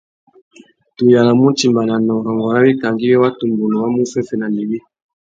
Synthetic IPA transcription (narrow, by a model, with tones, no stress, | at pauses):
to˨ja˨la˨mo˦nti˨mba˨na˨nɔ˨ŋ˨ɾɔ˨ŋɡɔ˨ɾa˦bi˦ka˨ŋɡi˦jɛ˦wa˦tu˨mbo˨no˨wa˦mu˦fɛ˦fɛ˦na˨li˨bi˦